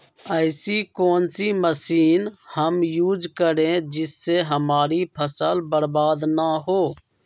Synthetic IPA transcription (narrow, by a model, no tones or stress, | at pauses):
əɪsikoːnsiməsiːnhəmjuːd͡ʒkəɾẽd͡ʒɪsːeɦəmaːɾipʰəsəlbəɾbaːd̪naɦoː